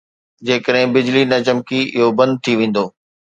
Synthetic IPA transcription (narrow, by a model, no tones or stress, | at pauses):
d͡ʑeːkəɗɦɪ̃bɪd͡ʑlinɐt͡ɕəmkiʔɪ̰ɦobɐ̃nd̪̚t̪ʰiʋẽːn̆d̪oː